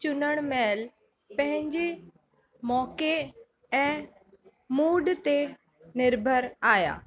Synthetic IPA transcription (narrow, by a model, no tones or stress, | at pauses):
t͡ɕʊnəɽ̃mɛːl | pɐ̃ɦɪ̃ɲd͡ʑe | mɔːke | ɛ̃ː | muːɖt̪e | nɪɾbʱəɾaːja̰ː